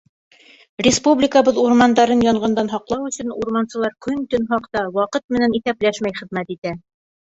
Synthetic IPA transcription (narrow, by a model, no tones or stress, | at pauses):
rʲɪspublʲɪkəβɤðuɾmɑnd̪ɑɾɤnjɒɴɢɑnd̪ɑnɦɑqlˠɑwɵ̆sɵnuɾmɑnsɤ̆lˠɑɾkɵnt̪ɵnɦɑqt̪ɑwɑqɤt̪̚mɘ̆næniθæplæʃmæjχɘ̆ðmæt̪it̪æ